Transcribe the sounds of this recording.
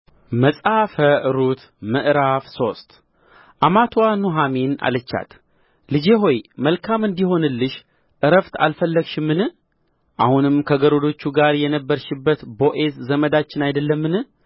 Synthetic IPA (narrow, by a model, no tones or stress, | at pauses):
məsʼafəʔɨɾut̪ | məʔɾafso̞st̪ | ʔamat̪ʰwanuɦamina̰lɨt͡ʃːa̰t̪ | lɨd͡ʒeɦo̞jməlkʰamɨnd̪iho̞nɨlːɨʃ | ʔɨɾəft̪ʰa̰lfəlːəɡʃɪmːɨnɨ | ʔahunɨmkʰəɡəɾod̪o̞t͡ʃːuɡaɾjɛnəbːəɾʃɪbːət̪bo̞ʔe̞szəməd̪at͡ʃːɪnajd̪əlːəmːɨnɨ